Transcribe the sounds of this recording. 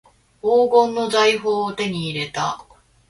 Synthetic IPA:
oːɡõ̞nːo̞zaiɦoːot̪e̞ɲ̟iːɾe̞t̪a

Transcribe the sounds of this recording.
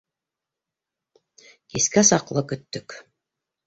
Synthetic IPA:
kiskæsɑqlˠɤkɵ̆t̪ːɵk

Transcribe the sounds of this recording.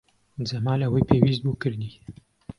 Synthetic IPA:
zɐmaːnlawiːpʰeːwiːst̪̚buːkɨɾni

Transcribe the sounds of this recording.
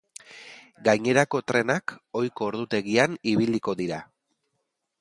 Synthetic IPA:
ɡajɲe̞ɾako̞t̪ɾe̞nako̞jko̞ːɾðut̪e̞ɣianiβiliko̞ðiɾa

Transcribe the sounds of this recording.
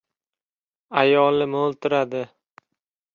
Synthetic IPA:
ajɒlˠɪmolˠt̪ʰɪɾad̪ɪ

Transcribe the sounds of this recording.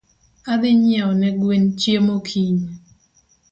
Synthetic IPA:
ad̪ɪɲɪaɔnɛɡwent͡ʃjemokʰiɲ

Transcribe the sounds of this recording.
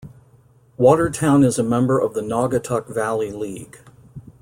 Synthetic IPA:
wɔɾə˞tʰãʊ̃nɨzəmɛ̃mbə˞ʔʌvðənɑɡɨtʰʌkvælˠiliɡ̥

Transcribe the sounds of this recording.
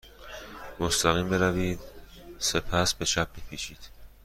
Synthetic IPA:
most̪æɣiːmbe̞ɾæviːd̪se̞pʰæsbe̞ʃʰæb̚ːepʰiːʃiːd̪̥

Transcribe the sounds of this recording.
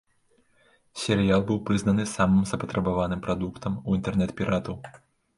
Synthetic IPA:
sʲɛɾɨjalˠbɨwpɾɨznɐn̪ɨsamɨmzɐpɐt̪ɾɐbavanɨmpɾad̪ukt̪ʰɐmuint̪ɛrnɛt̪pʲiɾat̪uw

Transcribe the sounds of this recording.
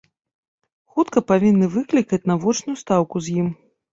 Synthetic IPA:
xut̪kɐpavʲinːɨvɨklʲikɐt͡sʲnɐvɔt͡ʂnʊjust̪awkuzʲjim

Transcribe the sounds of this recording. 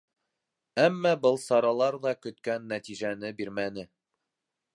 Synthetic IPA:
æmːɑbɤlˠsɑɾɑlˠɑɾðɑkɵ̆t̪kænːæt̪iʒænɘbiɾmænɘ

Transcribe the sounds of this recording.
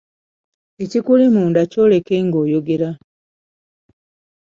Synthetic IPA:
ecikulimuːndaco̞ːle̞keŋɡo̞ːjo̞ɡe̞ɾa

